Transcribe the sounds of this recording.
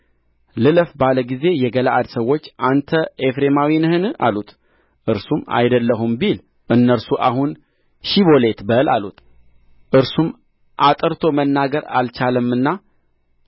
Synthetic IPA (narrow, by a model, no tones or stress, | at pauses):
lɨləfbaləɡize̞jɛɡəlaʔad̪səwːo̞t͡ʃːʔant̪ʰəefɾemawinɨhɨnɨa̰lut̪ | ʔɨɾsuma̰jd̪əlːəɦumbil | ʔɨnːəɾsuʔaɦun | ʃiβo̞le̞t̪bəla̰lut̪ | ʔɨɾsum | ʔat̪ʼɨɾt̪ʰo̞mənːaɡəɾa̰lt͡ʃaləmːɨnːa